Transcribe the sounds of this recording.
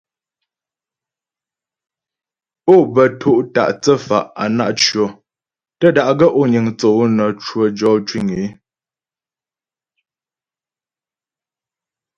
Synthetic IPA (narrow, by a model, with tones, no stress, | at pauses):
o˦˨bə˨tʰo˦˨ʔta̰˨ʔt͡sə˦˨fa̰˨ʔa̰˨na˦ʔt͡ʃɥo˨ | tə˦˨da˨ʔɡə˦ʔo˦˨ɲi˨ŋt͡so˨˦nə˨t͡ʃwo˨d͡ʒɔ˦t͡ʃwi˦˨ŋe˨˦